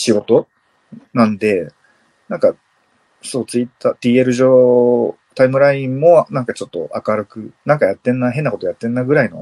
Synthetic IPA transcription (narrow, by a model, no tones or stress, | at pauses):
ɕiɡo̞t̪o̞ | nãnd̪e̞ | nãŋka | so̞ːt͡sɨit̪ːaːt̪iːeɾɯ̟ʑoː | t̪aimɯ̟ɾaĩmːo̞nãŋkat͡ɕo̞t̪ːo̞̰ʔakaɾɯ̟kɯ̟nãŋkajat̪ːẽ̞nːaɦe̞nːako̞t̪ojat̪ːe̞nːaɡɯ̟ɾaino̞̰